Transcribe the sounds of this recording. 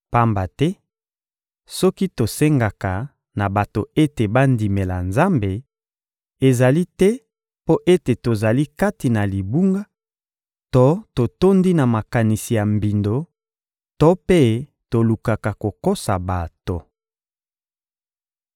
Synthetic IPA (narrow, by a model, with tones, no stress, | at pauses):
pa˦mba˨tɛ˦ | sɔ˦ki˦to˨se˦ŋɡa˨ka˨ | na˨ba˨to˨e˦te˨ba˦ndi˨me˨la˨nza˦mbe˨ | e˨za˨li˦tɛ˦ | po˦ʔe˦te˨to˨za˨li˦ka˦ti˨na˨li˨bu˦ŋɡa˦ | to˦to˨to˦ndi˦na˨ma˨ka˨ni˨si˨ja˨mbi˨ndo˦ | to˦pe˦ | to˨lu˨ka˨ka˨ko˨ko˦sa˨ba˨to˨